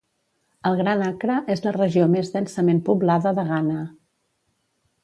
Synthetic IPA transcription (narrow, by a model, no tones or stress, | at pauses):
əlˠɣɾanakɾəʔezlərəʒiomezðɛnsəmempuβlaðəðəɣanə